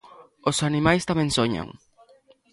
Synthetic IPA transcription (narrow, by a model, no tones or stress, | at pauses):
osanimajst̪amẽŋsoɲa̰ŋ